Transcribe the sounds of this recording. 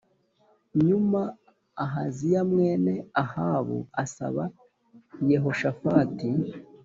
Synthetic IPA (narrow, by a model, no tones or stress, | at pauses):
ɲuma | aɦazijamŋe̞ːne̞ahaːβṵasa̰βa | jeɦo̞ʃafaːti